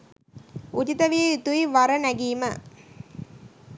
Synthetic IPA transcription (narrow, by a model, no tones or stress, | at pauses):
utit̪əʋijit̪uiʋaɾɐnæɡiːmə